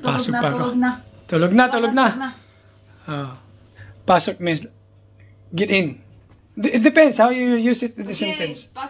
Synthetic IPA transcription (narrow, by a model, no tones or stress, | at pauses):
pasɔkpakt̪ʊloɡ̚nat̪ʊloɡ̚na | o | paːsɔk̚mɪ̃ns | ɡɛt̪ɪ̃n | ɪt̪̚d̪ɪpɛ̃nd̪shawjujusɪt̪̚nd̪əsɛ̃nt̪ɛ̃ns